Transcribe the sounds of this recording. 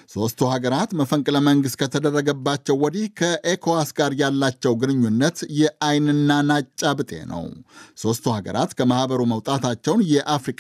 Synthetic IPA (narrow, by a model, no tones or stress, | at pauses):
so̞st̪ʰuhaɡəɾat̪məfəŋkʼɨləməŋɡɨst̪̚kʰət̪ʰəd̪ərːəɡəbːat͡ʃːɛwːɔd̪ihkʰəʔekʰoasɡaɾjalːat͡ʃːɛwɡɨnɨɲːunːət̪jɛʔajnɨnːanat͡ʃʼːabɨt̪ʼe̞̰nə̰wso̞st̪ʰuhaɡə̰ɾa̰t̪kʰəmahbəɾuməwt̪ʼat̪ʰat͡ʃːɛwnjɛʔafɾikʼ